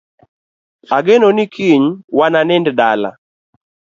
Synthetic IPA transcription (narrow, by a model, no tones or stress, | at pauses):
aɡɛnonikʰiɲwananɛnddala̰